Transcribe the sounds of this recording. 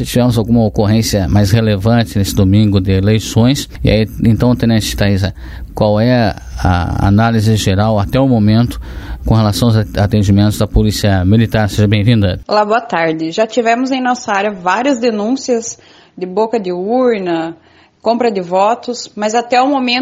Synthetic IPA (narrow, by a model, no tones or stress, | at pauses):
sɪt͡ʃivɛmʊzawɡũmɐokoɦẽsiɐmajshelevɐ̃t͡ʃ̪ɪnesɪd̪omĩŋɡʊd̪ɪelejsõj̃sia̰iẽnt̪ɐ̃w̃t̪ẽnẽt͡ʃɪɪt̪aizɐ | kwawɛɐ | ɐ̰a̰nalizɪʒeɾawat̪ɛʊmomẽnt̪ʊ̥kõhelasɐ̃w̃ʊzat̪ẽd͡ʒimẽnt̪ʊzd̪ɐpolisiɐmilit̪aɾseʒɐbẽj̃vĩnd̪ɐ̰laboɐt̪aɾd͡ʒ̪ɪʒat͡ʃivɛ̃mʊzẽj̃nɔsɐaɾjɐvaɾiɐzd̪enũsiɐs | d̪ɪbokɐd̪ɪuɾnɐ | kõmpɾɐd̪ɪvɔt̪ʊsmɐzat̪ɛʊmomẽ